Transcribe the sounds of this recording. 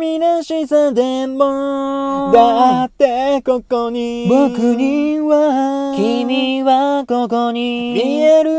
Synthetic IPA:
minaɕisad̪emmod̪at̪ːekokoɲibokɯɲiβakʲimʲiβakokoɲiieɾɯ

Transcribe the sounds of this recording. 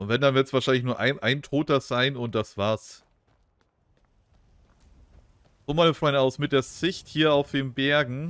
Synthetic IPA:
ʔʊntvɛndanvɪɐtsv̥aːɐʃaɪnlɪçnuːɐʔaɪnʔaɪntʰoːt̚d̥az̥aɪnʊnt̚d̥asv̥aːɐs | oːmaːləfʁɔɪnaʊsmɪt̚d̥eːɐzɪçthiːɐaʊfd̥eːmbɛɐɡŋ̩

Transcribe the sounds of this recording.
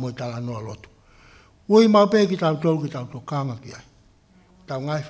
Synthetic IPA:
moit̪alanoalot̪u̥ | uimaupekitawutolukit̪alutokaŋakia̰i | taŋaif

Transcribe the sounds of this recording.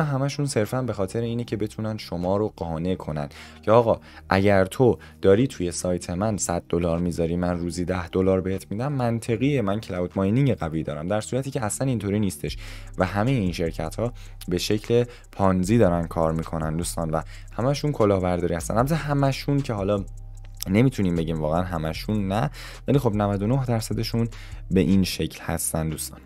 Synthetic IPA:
ɦæmæʃunse̞ɾfænbe̞xɒːt̪ʰe̞ɾeiːnecʰe̞be̞t̪ʰuːnænʃomɒːɾo̞ɢ̥ɒːne̞kʰo̞næ̰n | cʰeɒːɣɒː | ʔæɟæɾt̪ʰo̞ | d̪̥ɒːɾiːt̪ʰuje̞sɒːjt̪ʰe̞mænsæd̪̥̚ːo̞lɒːɾmiːzɒɾiːmænruːziːd̪æhd̪̥o̞lɒːɾbe̞het̪ʰmid̪æmːænt̪ʰe̞ɣijemæncʰelæut̪ʰmɒjniŋɟeɣæviːd̪ɒ̰ːɾæmd̪æɾsuːɾæt̪ʰiːcʰeæslænint̪ʰoːɾiːniːst̪e̞ʃvæɦæme̞jeinʃe̞ɾcʰæt̪hɒː | be̞ʃe̞cʰle̞ | pʰɒnziːd̪ɒːɾænd̪̥kʰɒːɾmiːkʰo̞nænd̪uːst̪ɒːnvæ | hæmæʃunkʰo̞lɒːbæɾd̪ɒːɾiːhæst̪æ̰nʔæblzæɦæmæʃuncʰeɦɒːlɒː | ne̞mit̪ʰuniːmbe̞ɟiːmvɒːɣeænɦæmæʃunːæ | vælixo̞bnævæd̪o̞nohd̪æɾsæd̪e̞ʃun | be̞ʔinʃe̞cʰlhæ̰st̪ænd̪uːst̪ɒ̰n

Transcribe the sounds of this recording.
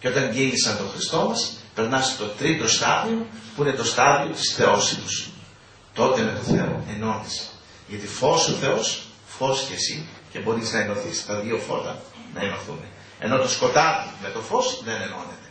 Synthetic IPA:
ceot̪ɐɲɟilisɐnt̪o̞xɾist̪o̞mɐspe̞ɾnɐset̪o̞t̪ɾit̪o̞st̪ɐðiopuine̞t̪o̞st̪ɐðio̞t̪i̥sθe̞o̞sit̪us | t̪o̞t̪e̞me̞t̪o̞θe̞o̰eno̞nise̥ | ʝɐt̪ifo̞soθe̞o̞s | fo̞scesice̞bo̞ɾiznɐeno̞θist̪ɐðio̞fo̞̰t̪ɐ̰nɐ̰eno̞θṵne | e̞̰no̞t̪osko̞t̪ɐt̪ime̞t̪o̞fo̞sðe̞ne̞no̞̰ne̞t̪e̞̥

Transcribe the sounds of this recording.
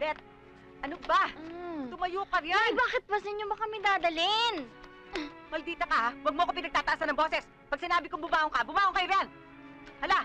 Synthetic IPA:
bɛt̪̚ | ʔɐnobat̪ʊmɐjuːkɐɾjaɐjbaːkɪt̪̚bɐsɪɲobɐkɐmɛd̪aːd̪ɐlɪn | mɐld̪iːt̪ɐkɐwɐɡ̚moʔɐkopɪnɐɡ̚t̪aːt̪ɐʔasɐnɐŋbosɛs | pɐɡ̚sɪnaːbɪkʊŋbʊmaːʔoŋkabʊmaːʔoŋkɐjoɾjan | hɐla

